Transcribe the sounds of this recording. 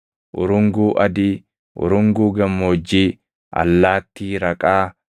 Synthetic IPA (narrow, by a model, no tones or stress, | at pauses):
ʔʊɾʊŋɡuːʔɐd̪iː | ʔʊ̰ɾʊŋɡuːɡɐmːoːd͡ʒːiː | ʔɐ̰lːaːt̪ːiːɾɐkʼaː